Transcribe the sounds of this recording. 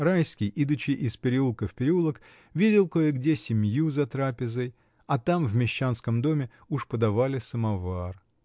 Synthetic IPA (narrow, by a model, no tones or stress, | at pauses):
rajskʲɪjʔid̪ʊt͡ɕɪjʔɪspʲɪɾʲɪulˠkəfpʲɪɾʲɪulˠək | vʲidʲɪlˠkojɪɡdʲesʲɪmʲjuzɐt̪ɾapʲɪzəj | ɐt̪amvmʲɪɕːanskəmd̪o̞mʲɪ | uʂpəd̪ɐvalʲɪsəmɐvar